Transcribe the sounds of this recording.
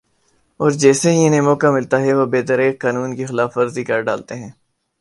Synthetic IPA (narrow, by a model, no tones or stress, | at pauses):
ɔːɾd͡ʒɛːseɦiɪnẽmɔːkamɪlt̪aɦɛʋoːbeːt̪əɾeːkːaːnuːnkixɪlaːfəɾzikəɾɖa̰ːlt̪eɦɛ̃ː